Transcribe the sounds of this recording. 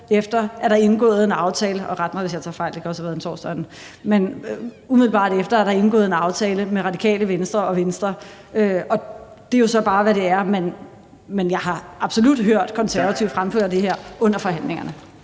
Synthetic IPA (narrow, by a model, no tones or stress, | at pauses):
efd̥ɐæɐɾ̥ɑ̈e̝nɡ̥ɔ̰̽ːð̩ˠe̝nɑ̈ʊt͡sʰɛːləʔɒ̽ʁad̥̚mɐʋesjɑ̈ɪt͡sʰɑ̈ːfɑ̈ɪl̥eɡ̥ɒsɒʋiðˠen̩sɒ̰sd̥ɒ̥n̩ | men | umiðˠl̩bɑ̰̈ːd̥efd̥ɐæɐɾ̥ɑ̈e̝nɡ̥ɔ̰ːðˠe̝nɑ̈ʊt͡sʰɛːləmeʁɑ̈d̥ikʰɛ̰ːləʋensd̥ʁɐɒ̽ʋensd̥ʁɐ | øɒ̽ | d̥e̝jo̝sɒ̽b̥ɑ̈ːʋæɾe̝æɐmen | menjɑ̈ɪɦɑ̈ɑ̈b̥so̝lud̥ɦøɐ̰d̥kʰɒ̽nsæɐʋæt͡sʰiʊ̥fʁamfø̰ːɐ̰d̥e̝ɦeɐ̰ʔɔ̽n̰ɐfɒ̽ɦæn̰le̝ŋɐnə